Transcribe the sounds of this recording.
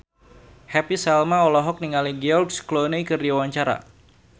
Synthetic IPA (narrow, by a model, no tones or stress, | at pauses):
hɛpisɛlmaɔlɔɦɔk̚niŋaliɡiɔrɡsklonekɨrdiwaɲt͡ʃaɾa̰